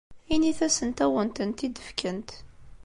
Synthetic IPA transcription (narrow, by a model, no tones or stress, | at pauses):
iniθæsənt̪æwənt̪ənt̪id̪əfkənt̪